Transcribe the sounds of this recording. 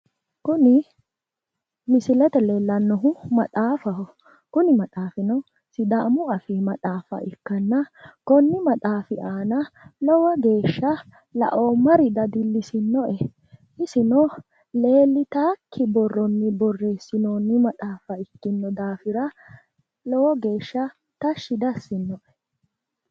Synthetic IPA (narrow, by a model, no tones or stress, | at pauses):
kʊnɪ | mɪsɪlɛt̪ɛle̞ːlːɐnːɔɦʊmɐt̪ʼaːfɐhɔ | kʊnɪmɐt̪ʼaːfɪnɔ | sɪd̪aʔmʊɐfimɐt̪ʼaːfɐ̰ʔɪkːɐnːɐkɔnːɪmɐt̪ʼaːfɪʔaːnɐlɔwɐɡe̞ːʃːɐ | lɐ̰ʔoːmɐɾɪd̪ɐd̪ɪlːɪsɪnːɔʔɛ | ʔɪsɪnɔ | le̞ːlːɪt̪aːkʰːɪbɔrːɔnːɪbɔrːe̞ːsːɪnoːnːɪmɐt̪ʼaːfɐɪkːɪnːɔd̪aːfɪɾɐ | lɔwɔɡe̞ːʃːɐ | t̪ɐʃːɪd̪ɐsːɪnːɔʔɛ̥